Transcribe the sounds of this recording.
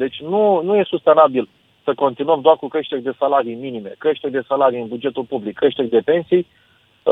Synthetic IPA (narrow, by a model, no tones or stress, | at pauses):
d̪e̞t͡ʃʲnunuje̞sust̪e̞nabil | səko̞nt̪inuəmd̪oarkukɾe̞ʃt̪e̞rʲd̪e̞salaɾijminime̞kɾe̞ʃt̪e̞rʲd̪e̞salaɾijɨnbud͡ʒe̞t̪ulpublikːɾe̞ʃt̪e̞rʲd̪e̞pe̞nsij